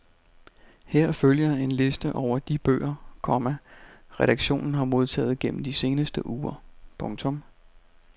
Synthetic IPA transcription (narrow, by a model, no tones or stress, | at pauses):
heɐ̰føljɐe̝nle̝sd̥əʔɒʊ̰ɐd̥ib̥ø̰ːɐkʰɒ̽mæʁɛɾɑ̈ɡ̥ɕo̝̰ːnn̩ɦɑ̈mo̝ð̞ˠt͡sʰɛ̰ːð̞̩ˠɡ̥en̰m̩d̥ise̝ːnəsd̥əʔuːɐpʰɔ̽ŋt͡sʰɔ̽m